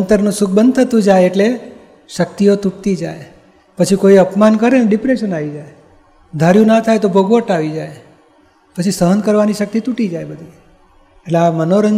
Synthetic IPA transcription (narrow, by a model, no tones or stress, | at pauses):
ənt̪əɾnũsuk̚ʰbənd̪̚ʱt̪ʰət̪ũd͡ʒajeʈle | ʃək̚t̪iot̪uʈ̚t̪id͡ʒa̰j | pət͡ʃʰikoiəpmankəɾenɖɪpɾeʃənaʋid͡ʒae | d̪ʱaɾjũnat̪ʰajt̪obʱoɡʋəʈaʋid͡ʒaj | pət͡ʃʰisəɦənd̪kəɾʋaniʃək̚t̪it̪uʈid͡ʒaebəd̪ʱi | eʈleamənoɾəŋ